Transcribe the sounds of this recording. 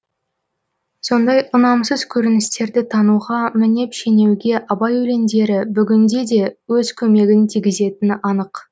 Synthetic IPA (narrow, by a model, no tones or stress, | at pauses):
so̞nd̪ɑjʔʊnɑmsəz̥kʲʰɵɾɪnɪst̪e̞ɾd̪ɪt̪ʰɑnuʁɑmɪne̞pʃe̞ne̞wɡʲe̞ʔɑbɑjɵle̞nd̪e̞ɾɪbʏɡʲɪnd̪e̞d̪e̞wɵzkʲʰɵme̞ɡʲɪnt̪ʰijɡʲɪze̞t̪ɪnɪʔɑnəq